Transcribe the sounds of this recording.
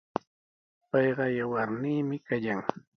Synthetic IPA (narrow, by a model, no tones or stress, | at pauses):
pɑjɢɑjawaɾniːmɪkajaŋ